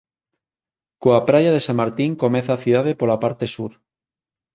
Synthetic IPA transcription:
koapɾajaðesaŋmaɾt̪iŋkomẽθaθuðaðepolapaɾt̪esuɾ

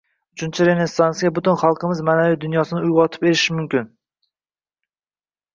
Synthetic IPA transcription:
ʊt͡ʃʰɪnt͡ʃʰɪɾe̞nesːansijabʊt̪ɪnχɑlˠqɨmɪzmaːnavijd̪ʊnjɒsɪnɪʊjʁɒt̪ʰɪ̥pe̞ɾɪʃɪmʊmkʲɪn

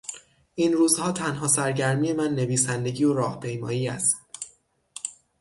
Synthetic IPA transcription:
ʔinɾuːzhɒːt̪ʰænɦɒːsæɾɟæɾmiːje̞mænːe̞viːsænd̪e̞ɟiːoɾɒːhpʰe̞jmɒːjiːæst̪

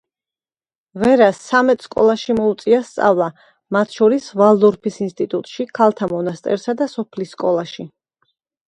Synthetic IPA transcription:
vɛɾasːamɛt̪ʰskʼɔ̰lˠaʃimɔut̪sʼiast̪sʼa̰vlˠa | mat̪ʰʃɔɾisvalˠd̪ɔɾpʰisinst̪ʼit̪ʼut̪ʼʃikʰalˠt̪ʰamɔnast̪ʼɛ̰ɾsad̪asɔpʰlisːkʼɔlˠaʃi

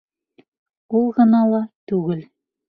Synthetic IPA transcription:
ulˠʁɤ̆nɑlˠɑt̪ʉɡɘl

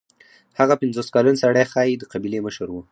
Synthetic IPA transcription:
haɣapɪnzoskɑlansaɽaxɑjid̪əqabileməʃəɾwu

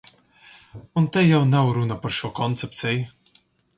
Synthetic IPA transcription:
ʊnt̪ɛjjawnawɾunɐpɐɾʃɔːkɔnt̪sɛp̚t̪sɛj

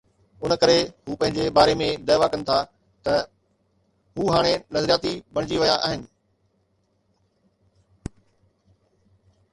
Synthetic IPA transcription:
ʊnkɐɾeɦuːpɐ̃ɦɪ̃ɲd͡ʑebaːɾemẽd̪ɐːʋakɐ̃nɪ̆t̪ʰa | t̪ɐ | ɦuːɦaːɽ̃enɐzəɾijaːt̪ibɐɽ̃ɪd͡ʑiʋɐjaʔa̰ːɦɪnɪ̆

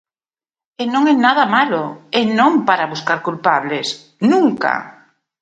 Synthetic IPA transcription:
enõŋenað̞amaloenõŋpaɾaβuskaɾkulpaβles | nũŋka̰

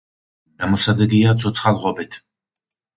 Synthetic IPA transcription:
ɛmɔsad̪ɛɡiat̪sʰɔt̪sʰχalˠʁɔbɛt̪ʰ

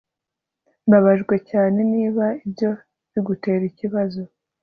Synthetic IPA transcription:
mbaβaʒɡwe̞caːne̞niːβaibɟo̞ | βiɡute̞ːɾiciβazo̞

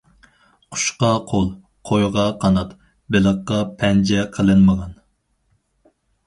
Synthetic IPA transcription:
qʰʊ̥ʃqɑqʰolˠ | qʰojʁɑqʰɑnɑt̪ | bɪlˠəqːɑpʰɛnd͡ʒɛqʰəlˠɨnməʁɑn

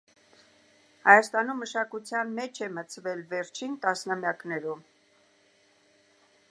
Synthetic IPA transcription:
hɑjɑst̪ɑnumːəʃɑkut͡sʰjɑnmɛt͡ʃʰɛmət͡sʰvɛlvɛɾt͡ʃʰint̪ɑsnɑmjɑknɛɾum

